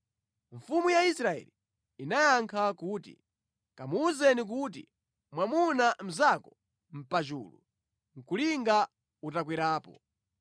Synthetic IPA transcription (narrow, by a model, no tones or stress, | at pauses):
ɱfumujaisɾaɛ̰li | inajaŋkʰakuːtḭ | kamuːzɛnik̬ut̬ḭ | mwamunam̩zakɔ | m̩pat͡ʃṵːlṵ | ŋ̩kuliŋɡa | utak̬wiɾaːpɔ